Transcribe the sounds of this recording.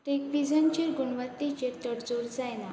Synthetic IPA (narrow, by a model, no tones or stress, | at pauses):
ʈekʋid͡zənt͡ɕeɾɡuɳʋət̪ːit͡ɕet̪əɽd͡zoɾd͡zajna